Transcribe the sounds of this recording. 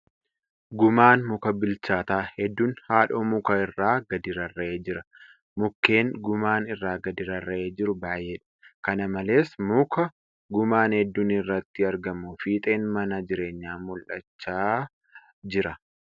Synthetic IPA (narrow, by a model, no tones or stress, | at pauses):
ɡʊmaːnmʊkɐbɪlt͡ʃaːt̪aːhɛd̪ːuːnhaːᶑoːmʊkɐɪrːaːɡɐd̪ɪɾɐrːɐeːd͡ʒɪɾɐ | mʊkːe̞ːŋɡʊmaːnɪrːaːɡɐd̪ɪɾɐrːɐeːd͡ʒɪɾʊbaːjʔːeːᶑɐ̥kɐnɐmɐle̞ːsmʊkɐ | ɡʊmaːnhɛd̪ːuːnɪrːɐt̪ːɪɐɾɡɐmːʊfiːt̪ʼe̞ːnmɐnɐd͡ʒɪɾe̞ːɲːaːmʊlʔɐ̰t͡ʃːaː | d͡ʒɪɾɐ